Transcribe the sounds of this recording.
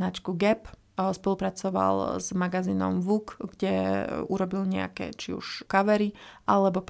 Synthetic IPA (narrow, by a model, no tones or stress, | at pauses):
nat͡ʃkuɡɛp | spɔlupɾat͡sɔʋa̰lzmaɡaziːnɔ̰mʋukɡɟɛuɾɔbilɲɛa̰kɛ̰t͡ʃiṵʃkaʋɛɾiʔalɛbɔp